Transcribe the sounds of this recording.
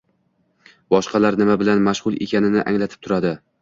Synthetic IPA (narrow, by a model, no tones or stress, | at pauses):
bɒʃqɑlaɾnɪmabɪlanmaʃʁʊlˠḛkʲʰanɪnɪʔa̰ŋlat̪ʰɪ̥p̚t̪ʰʊɾad̪ɪ